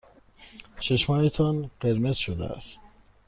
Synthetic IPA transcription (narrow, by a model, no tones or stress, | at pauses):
ʃeʃmɒːjet̪ʰɒnɢ̥eɾmez̥ʃod̪ḛæ̰st̪